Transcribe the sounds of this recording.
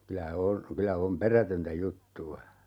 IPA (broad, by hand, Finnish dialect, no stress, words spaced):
kylæ on kylæ om perætøntæ jutːuɑ